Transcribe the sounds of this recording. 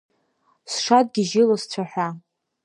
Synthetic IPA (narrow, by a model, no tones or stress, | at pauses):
sʂad̚ɡʲiʒɪlast͡ɕʷʰaħʷa